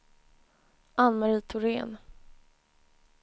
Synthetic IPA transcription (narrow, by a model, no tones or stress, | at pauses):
anmaɾiːt̪ʰʊɾḛːn